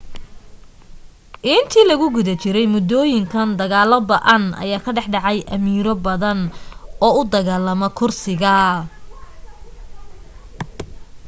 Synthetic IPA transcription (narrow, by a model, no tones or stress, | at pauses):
ʔɪnt̪ʰiːlɐɣʊɡʊðɐt͡ʃʰɪɾɛjmʊd̪ɔːjɪŋkʰɐnd̪ɐɣaːlɐbɐʔɐnʔɐ̰jaːkʰɐɖɛħɖɑʕɑjʔɐmiːɾɔbɐðɐnɔːʊd̪ɐɣaːlɐmɔkʰʊrsɪɣɐ